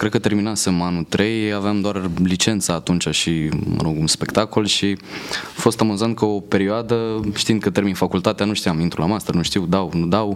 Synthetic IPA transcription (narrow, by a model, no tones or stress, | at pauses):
kɾed̪̚kət̪e̞ɾminasɨmanut̪ɾejaveamd̪oarlit͡ʃe̞nt̪saːt̪unt͡ʃaʃimə̰ɾoɡumspe̞kt̪ako̞lʃifo̞st̪amuzant̪̚kəope̞ɾioad̪əʃt̪ind̪̚kət̪erminfakult̪at̪eanuʃt̪iamint̪ɾulamast̪ɾənuʃt̪iwd̪awnud̪aw